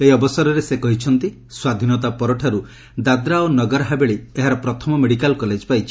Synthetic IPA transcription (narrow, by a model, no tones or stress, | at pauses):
ejɔbɔsɔɾɔɾesekɔɦit͡ʃʰɔnt̪i | swad̪ʱinɔt̪apɔɾɔʈʰaɾu | d̪ad̪ɾaonɔɡɔɾɦabeɭeeɦaɾɔpɾɔt̪ʰɔmɔmeɽikalkɔled͡ʒpajt͡ʃʰi